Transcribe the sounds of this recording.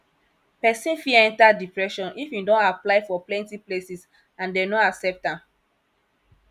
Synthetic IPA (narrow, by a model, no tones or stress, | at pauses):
pɛsĩnfiɛ̃ntadipɹɛʃɔ̃nifidɔ̃naplaɪfɔplɛ̃ntiplesis | ãndenoaksɛp̚tãm